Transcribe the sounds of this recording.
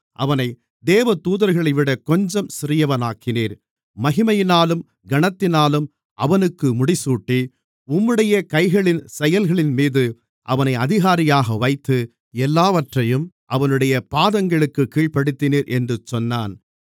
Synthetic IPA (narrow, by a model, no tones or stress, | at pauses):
ʔɐ̰ʋɐnɐɪ | d̪eːʋɐt̪uːðɐɾɣɐɭɐɪʋɪɽɐkɔɲd͡ʒɔmsɪɾɪjɐʋɐnaːkɪniːɾ | mɐɣɪmɐjɪnaːlɯm | ɡɐɳɐt̪ːɪnaːlɯm | ʔɐʋɐnɯkːɯmʊɽɪsuːʈːi | ʊmːɯɽɐjɐkɐɪɣɐɭɪnsɛjɐlɣɐɭɪnmiːðɯ | ʔɐʋɐnɐɪɐðɪɣaːɾɪjaːɣɐʋɐɪt̪ːɯ | ɛlːaːʋɐʈrɐjɯm | ʔɐʋɐnɯɽɐjɐpaːðɐŋɡɐɭɯkːɯkːiːɭpɐɽɯt̪ːɪniːɾʔɛndrɯt͡ʃːɔnːaːn